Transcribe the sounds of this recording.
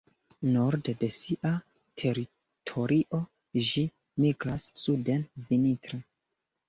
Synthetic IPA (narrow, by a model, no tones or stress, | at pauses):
no̞ɾdde̞siʔa | tʰe̞ɾi | tʰo̞ɾʔiʔo̞ | d͡ʒi | miɡɾasːude̞nvinitɾe